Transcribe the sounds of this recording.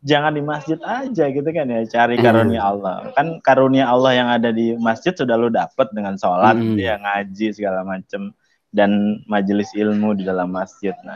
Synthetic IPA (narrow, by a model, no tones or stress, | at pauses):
d͡ʒaŋandimasd͡ʒɪt̪ad͡ʒaɡit̪̬ukanjat͡ʃaɾikaɾoniaalːɔhkankaɾoniaːlːɔhjaŋadadimasd͡ʒɪt̪̚sudahludapət̪̚dəŋansolat̪̚ɡit̪ujaŋad͡ʒisəɡalamat͡ʃəm | danmad͡ʒəlɪsilmudidalamːasd͡ʒɪt̪̚na̰h